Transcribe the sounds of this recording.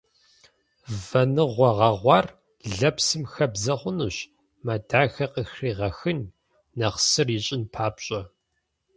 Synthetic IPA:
vɐnɨʁʷɔʁɐʁʷɑːr | ɮɐpsɨmxɐbzɐχʷʊnɨɕ | mɐdaːxɐqəxriːʁɐxɨn | nɐχsɨriɕʼɪnpʰaːpɕʼɐ

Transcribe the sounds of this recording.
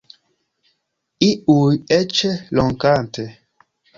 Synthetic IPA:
iujɛt͡ʃelɔŋkante

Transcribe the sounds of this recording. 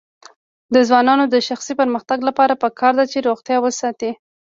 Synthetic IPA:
d̪əzwɑnɑnod̪əʃaxsipəɾməxt̪aɡlapɑɾapəkʰɑɾd̪at͡ʃeɾoɣt̪jɑwəsɑt̪i

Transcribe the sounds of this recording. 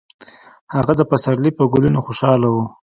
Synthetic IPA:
haɣad̪əpasaɾlipəɡulunoxoʃɑlawu

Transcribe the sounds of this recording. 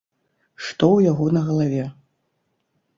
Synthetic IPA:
ʂt̪ɔwjaɣɔnɐɣɐlˠavʲɛ

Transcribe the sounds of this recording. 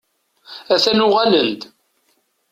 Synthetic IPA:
æθænʊʁælənt̪

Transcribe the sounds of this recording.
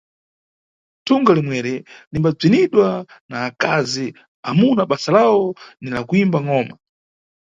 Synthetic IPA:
tʰuŋɡalimwɛɾɛlimbab͡ʐiniɗwa | naːkazi | a̰munaɓasalawɔnilakuimbaŋɔːma̰

